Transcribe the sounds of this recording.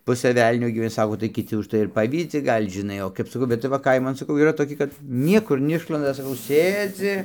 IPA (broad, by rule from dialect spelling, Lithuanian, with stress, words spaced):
ˈpʊsɘ ˈʋʲɛlʲnʲoː ɡʲiːʋʲɛˈnʲɪ ˈsɑːkoː tɐɪ kʲɪˈtʲɪ ʊʃˈtɐɪ ɪr ˈpɑːʋʲiːd͡zʲɪ ˈɡɐlʲ ʒʲɪˈnɐɪ oː kɐɪp sɐˈkɐʊ bʲɛt tɐɪ ˈʋɐ ˈkɐɪmɐn sɐˈkɐʊ iːˈrɐ toːˈkʲɪ kɐt ˈnʲiɛkʊr nʲɛˈɪʃlˠɐndɐ sɐˈkɐʊ ˈsʲeːd͡zʲɪ